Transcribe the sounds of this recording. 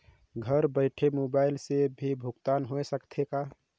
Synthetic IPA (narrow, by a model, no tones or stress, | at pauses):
ɡʱəɾbəɪʈʰemobaɪlsebʱibʱuɡt̪anɦoesəkt̪ʰeka